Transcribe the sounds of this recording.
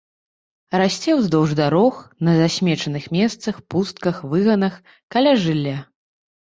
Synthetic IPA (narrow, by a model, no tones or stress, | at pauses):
rasʲt͡sʲɛwzd̪ɐwʐd̪aɾɔxnɐzasʲmʲɛt͡ʂɐnɨxmʲɛst̪sɐxpust̪̚kɐxvɨɣɐnɐx | kalʲaʐɨlʲːa